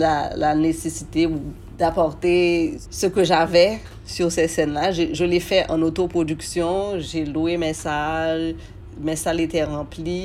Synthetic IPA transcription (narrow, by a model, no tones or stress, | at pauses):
lalanesesit̪eu | d̪apɔʁt̪esəkəʒavɛ | syʁsɛsɛnlaʒeʒəlefɛʔɑ̃not̪opʁodyksjɔ̃ʒeluemesaʒ | mesaʒet̪ɛʁɑ̃pli